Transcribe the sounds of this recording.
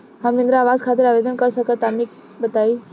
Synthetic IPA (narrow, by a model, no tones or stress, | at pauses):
ɦãmɪ̃nd̪ɾaːʋaːzkʰaːt̪ɪɾaːʋeːd̪ənkɐɾsɐkʰət̪aːnik | bɐt̪aːiː